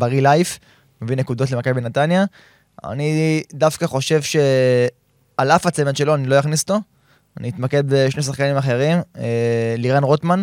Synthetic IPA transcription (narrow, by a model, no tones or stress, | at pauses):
baʁilajf | mevinekud̪o̞tlemakajbenat̪anja | a̰nid̪afkaχo̞ʃe̞vʃe̞ | alafat͡semenʃe̞lo̞anilo̞jaχnisot̪o̞ | anʔiit̪make̞d̪̚beʃnes̬aχkanimaχe̞ʁim | liʁanʁot̪man